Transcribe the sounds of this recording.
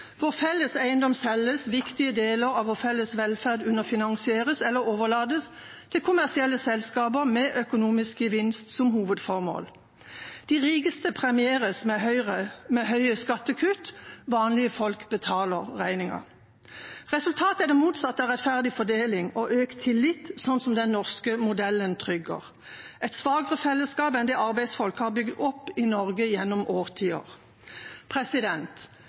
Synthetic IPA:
ʋɔʁfɛlːəsæɪənd̪ɔmsɛləsʋɪkt̪ɪəd̪eːləʁɑʋɔʁfɛlːəsʋɛlfæʁd̪ʉnəʁfɪnɑŋsɪeːʁəsɛlːəʁoːʋəʁlɑːd̪əs | t̪ʰɪlkʰʊmæʁsɪɛlːəsɛlskɑːbəʁmɛʔœkʊnuːmɪskəʋɪnst̪sɔmɦuːʋəd̪fɔʁmo̰ːl | d̪̥iːʁiːkəst̪əpʰʁɛmɪeːʁəsmɛœʏʁəmɛɦœʏəskɑt̪ːəkʰʉt̪ʋɑːnlɪəfɔlkbət̪ʰɑːləʁʁæɪnɪŋə̰ʁ | ʁɛsʉlt̪ʰɑːt̪əæd̪ɛmuːt̪sɑt̪ːɑʁɛt̪fæʁd̪ɪfɔd̪eːlɪŋɔʔøːkt̪ʰɪlːɪt̪sɔnːsɔmd̪ɛnːɔʁskəmʊd̪ɛlːənt̪ʰʁʏɡə̰ʁ | ʔɛɪt̪sʋɑːɡəʁəfɛlːəskɑːpɛnd̪ɛːɑʁbæɪsfɔlkhɑːʁbʏɡd̪ɔpːɪnɔʁɡəjɛnːɔmʔoːʁt̪ʰiːə̰ʁ | pʰʁɛsɪd̪ɛnt̪

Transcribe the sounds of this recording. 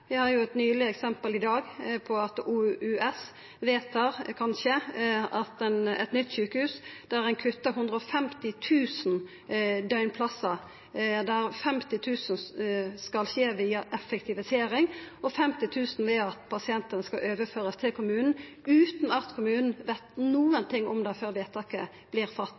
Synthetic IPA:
ʋɪhɑɾjʊɛt̪nyːlɪɛksɛmpəlɪd̪ɑːɡpʰɔɑt̪uʉɛs | ʋeːt̪ʰɑʁkʰɑnʃəɑt̪ɛnɛ̰t̪nʏt̪ːsʉːkəhʉːsd̪̥æʁænkʰʉt̪ːəɦʉnd̪ʁəɔfɛmt̪ɪt̪ʰʉːsn̩ | d̪œʏnpʰlɑsə | d̪æʁfɛmt̪ɪt̪ʰʉːsənskɑlçeːʋiːɑʔɛfɛkt̪ʰɪʋɪseːɾɪŋɔfɛmt̪ɪt̪ʰʉːsn̩ʋeːɑt̪pʰɑsɪɛnt̪ənəskɑʔøːʋəføːʁəst̪ʰɪlkʰʊmʉːnn̩ | ʉːt̪nɑt̪kʰʊmʉːnn̩ʋɛt̪nuːənt̪ʰɪŋːɔmd̪ɛføːʁɾʋeːt̪ʰɑkə | b̥lɪːʁfɑt̪ː

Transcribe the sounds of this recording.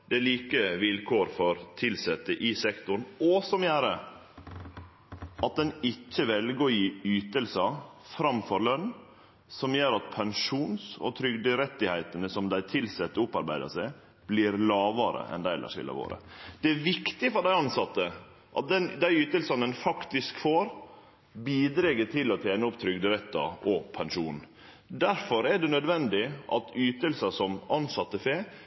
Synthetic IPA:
d̪ɛæliːkəʋɪlkʰoːɾfɔɾt̪ʰɪlsɛt̪ːəʔɪsɛkt̪ʊɳnɔsɔmjæːɾə | ʔɑt̪̚d̪ɛnɪt͡ʃːəʋɛlɡəɔjiːyːt̪əlsɑ | fɾɑmfɔɾlœnː | sɔmjøːɾɑt̪̚pʰɛnʂuːnsɔ̰t̪ʰɾʏɡd̪əɾɛt̪ːɪhæɪt̪ənəsɔmd̪æɪt̪ʰɪlsɛt̪ːəʊpːɑɾbæɪd̪ɑ̰sæɪ | b̥liɾlɑːʋəɾə̰ʔɛ̰nd̪æɪɛlʔə̰ʂɪ̰lːə̰ʋo̰ːɾə̰d̪̥ɛæʋɪkt̪ɪfɔɾɖæɪɑnsɑt̪ːə | ʔɑ̰t̪̚d̪ɛnd̪æɪyːt̪əlsɑnənfɑkt̪ɪskfoːɾ | biːd̪ɾɛɡəʈʰɪlːɔt̪ʰjeːnəʊpt̪ʰɾʏɡd̪əɾɛt̪ːɑ̰ɔpʰɛnʂuːn | d̪æɾfɔɾɛɖɛnœd̪ʋɛnd̪ɪʔɑt̪yːt̪əlsɑsɔmɑnsɑt̪ːəfeː

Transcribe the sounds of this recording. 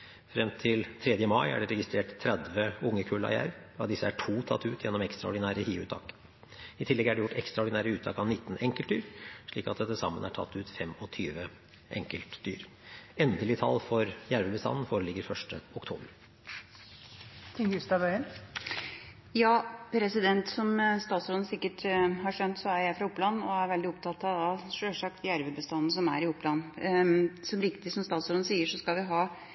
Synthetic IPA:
fɾɛmt̪ʰɪlt̪ʰɾɛd̪jəmɑɪæ̰ɖɛɾɛɡɪst̪ɾeːʈt̪ʰːɾɛd̪ʋəʊŋːəkʰʉːlɑ̰jæ̰ːɾɑd̪ɪsːəæʈʰuːt̪ʰɑ̰t̪ʰːʉːt̪ʰjɛnːɔmɛkst̪ɾɑɔ̰ɖɪnæːɾəhiːʉːt̪ʰɑ̰ːk | ɪt̪ʰɪlːɛɡæɖɛjʊʈːɛkst̪ɾɑɔɖɪnæːɾəʉːt̪ʰɑːkɑʋnɪt̪ːn̩ɛŋkəlt̪̚d̪yːɾʂɭiːkɑt̪d̪ɛəsɑ̰mːənæʈʰɑ̰t̪ʰːʉːt̪fɛmɔt̪ʰyːʋə | ʔɛ̰ŋkəlt̪d̪y̰ːɾ | ɛnd̪əlɪt̪ʰɑ̰lːfɔɾjæɾʋəbəst̪ɑ̰nːn̩foːɾəlɪɡːəɾfœʂʈəʊkt̪ʰṵːbəɾ | t̪ʰɪŋʉst̪ɑʋœʏən | jɑːpʰɾɛsɪd̪ɛnt̪sɔmst̪ɑːt̪sɔɾn̩sɪkːəʈɦɑʂœnt̪sɔæɾjæɪfɾɑʊpːlɑnːɔæɾʋɛld̪ɪɔpt̪ʰɑt̪ɑɑʂøːʂɑkt̪jæɾʋəbəst̪ɑnːnəsɔmæɾɪʊpːlɑn | sɔmɾɪkt̪ɪsɔmst̪ɑːt̪sɔɾd̪̩siːəʂɔskɑlʋɪɦɑː

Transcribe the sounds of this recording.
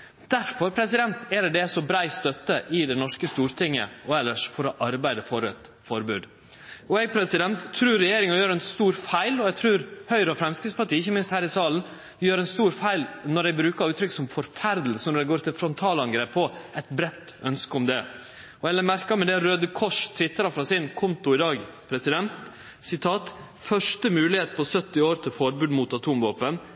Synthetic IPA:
d̪̥æɾfɔɾpʰɾɛsɪd̪ɛnt̪ɛɾɖɛsɔbɾæɪst̪œt̪ːəʔɪd̪ɛnɔʂkəst̪uːɾt̪ʰɪŋːə̰ɔɛlːəʂfɔɾɔʔɑɾbæɪd̪əfɔɾɛt̪ | fɔɾbʉːd̪ | ɔɛːɡ̚pʰɾɛsɪd̪ɛnt̪ʰːɾʉːɾːɛjeːɾɪŋɑjøːɾɛnst̪uːɾfæɪlɔɛɡ̚t̪ʰɾʉːɾhœʏɾɔfɾɛmskɪspɑʈiːɪçəmɪnst̪hæːɾɪsɑːlən | jøːɾɛnst̪uːɾfæɪlnɔɾɛɪbɾʉːkɑɾʉːt̪ʰɾʏkːsɔmfɔɾfæɾd̪l̩sənɔɾɛɪɡoːɾt̪ʰɪlfɾɔnt̪ʰɑːlɑŋɡɾeːpʰːɔɛt̪bɾɛt̪ː | œnskəʊmd̪ɛ | ɔɛlːəɾmæɾkɑmɛd̪ɛɾøːd̪əkʰɔʂt̪ʰʋɪt̪ːɾɑfɾɑsɪnkʰʊnt̪ʊɪd̪ɑːɡpʰɾɛsɪd̪ɛnt̪ | sɪt̪ʰɑːt̪ | fœʂʈəmʉːlɪheːt̪pʰɔsœt̪ːɪoːɾt̪ʰɪlfɔɾbʉːd̪muːt̪ɑt̪ʰuːmʋoːpən

